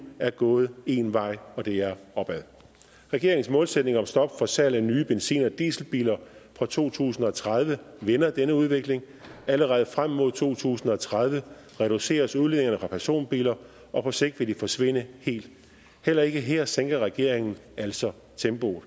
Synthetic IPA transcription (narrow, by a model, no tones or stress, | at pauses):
æɐɡ̥ɔ̽ːð̞̩ˠe̝nʋɑ̈ɪ̰ɒ̽d̥e̝æɐɒ̽b̥æð̰ˠ | ʁɛɡ̥e̝ɐeŋn̩smɔ̽ːlsed̥̚ne̝ŋɒ̽msd̥ɒ̽b̥fɒ̽sælænyːb̥ensḭːnɐd̥ḭːsl̩b̥ḭːlɐfʁɒ̽t͡sʰo̝̰ːt͡sʰṵːsn̩ɒ̽t͡sʰʁað̞ˠʋə | ʋenɐd̥enəuð̞ˠʋe̝ɡ̥le̝ŋ | æləʁɛð̞ˠfʁam̰ːo̝ð̞̰ˠt͡sʰo̝̰ːt͡sʰṵːsn̩ɒ̽t͡sʰʁað̞ˠʋə | ʁɛɾ̥use̝̰ːɐsuðˠle̝neŋɐnəfʁɑ̈pʰæɐso̝̰ːnb̥ḭːlɐ | ʔɒ̽pʰɒ̽se̝ɡ̥̚d̥ʋe̝d̥ifɒ̽sʋe̝n̰əhe̝̰ːld̥ | hel̰ɐe̝ɡ̥əɦeɐ̰seŋ̰ɡ̥ɐʁɛɡ̥e̝ɐ̰e̝ŋn̩æl̰sɒ̽ | t͡sʰemb̥o̝l̩ˠ